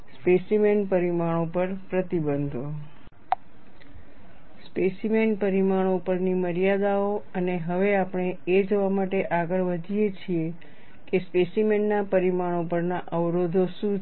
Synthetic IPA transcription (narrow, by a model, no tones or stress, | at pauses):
spesimenpəɾimaɽ̃opəɾpɾət̪ibənd̪ʱo | spesimenpəɾimaɳ̃oupəɾniməɾijad̪aoəneɦəʋeapəɳ̃eed͡ʒoʋamaʈeʔaɡəɭʋəd̪ʱijet͡ʃʰie | kespesimenːapəɾimaɳ̃opəɾnaʔəʋɾod̪ʱoʃũ